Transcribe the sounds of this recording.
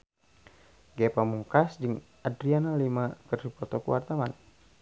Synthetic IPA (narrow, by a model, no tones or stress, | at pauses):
ɡɛpamuŋkasd͡ʒɨŋʔadɾianalimakərsipɔt̪ɔkuwart̪awan